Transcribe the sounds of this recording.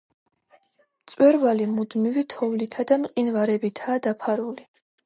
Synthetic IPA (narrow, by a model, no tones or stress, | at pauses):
mt̪sʼwɛɾvalimud̪mivit̪ʰɔvlit̪ʰad̪amqʼinvaɾɛbit̪ʰaːd̪apʰaɾuli